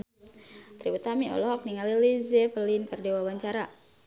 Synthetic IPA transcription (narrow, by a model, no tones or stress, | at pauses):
t̪ɾibut̪amiɔ̰lɔɦɔk̚niŋalilizɛfəlinkərdewawaɲt͡ʃaɾa